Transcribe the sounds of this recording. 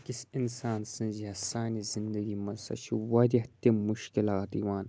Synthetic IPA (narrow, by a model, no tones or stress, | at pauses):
kisinsaːnsɨ̃nzɐsaːnizind̪ɐɡimɐsɐ̰t͡ʃʰiwɐd̪ʲiht̪ʲimuʃkilaːt̪iwaːn